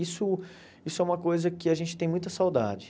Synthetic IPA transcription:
isʊ | isʊɛũmɐkojzɐkɪaʒẽnt͡ʃɪt̪ẽj̃mũj̃t̪ɐsawd̪a̰d͡ʒɪ

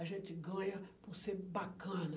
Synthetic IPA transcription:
aʒẽt̪ɪɡɐ̃ɲɐpuʁsebakɐ̃nɐ

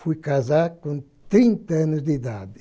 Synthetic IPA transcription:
fujkazaɾkõ | t̪ɾĩnt̪ɐɐnʊzd̪id̪aðɪ

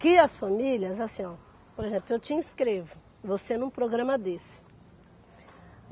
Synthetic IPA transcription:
kɪɐsfamiljɐzasĩɔ̃ | poɾezẽplʊewt͡ʃiĩskɾevʊ | vosenũpɾoɡɾɐ̃mɐd̪es

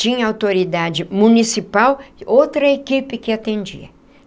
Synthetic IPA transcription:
t͡ʃĩɲɐawt̪oɾid̪ad͡ʒɪmũnisipawɪowt̪ɾɐekipɪkɪat̪ẽnd͡ʒḭɐ

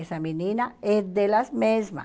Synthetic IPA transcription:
saminĩnaezd̪elazmezma̰

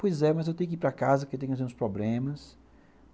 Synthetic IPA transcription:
pojzɛmɐzewt̪ẽj̃ʊkɪipɾakazɐkewt̪ẽɲ̃ʊuzẽɾ̃ũspɾɔblẽmɐs

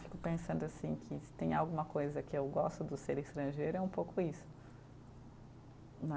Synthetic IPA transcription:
fi̥kʊpẽsɐ̃nd̪ʊasĩkʰɪsɪ̥t̪ẽj̃awɡũmɐkojzɐkɪewɡɔst̪ʊd̪ʊseɾist̪ɾɐ̃ʒejɾʊɛũpowkʊisʊ̥ | mɐ

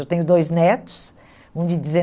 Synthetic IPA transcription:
ewt̪ẽɲʊd̪ojznɛt̪u̥s | ũd̪id̪izẽ

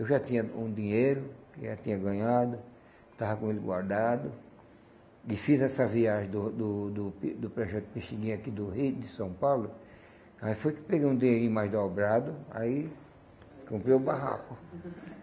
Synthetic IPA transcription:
ewʒat̪ĩɲɐṵ̃d̪ĩɲejɾʊkɪʒat̪ĩɲɐɡɐ̃ɲad̪ʊ | t̪avɐkõelɪɡwa̰ɾd̪ad̪ʊ | ɪfizɛsɐviaʒẽd̪ʊd̪ʊd̪ʊpd̪ʊpɾɔʒɛt̪ʊ̥piʃiɡĩɲakid̪ʊɦijd̪ɪsɐ̃w̃pawlʊ | aifojkɪ̥peɡejũd̪ĩɲeɾĩɲʊmajzd̪ɔbɾad̪ʊa̰i | kõmpɾeʊbaɦa̰kʊ

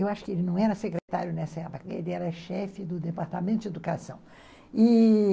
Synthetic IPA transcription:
ewaʃʊ̥kɪelɪnɐ̃w̃ɛɾɐsekɾet̪aɾjʊnɛsɐɛpukɐḛlɪɛɾɐʃɛfɪd̪ʊd̪epaɾt̪amẽnt̪ʊd͡ʒed̪ukasɐ̃w̃ | ɪ

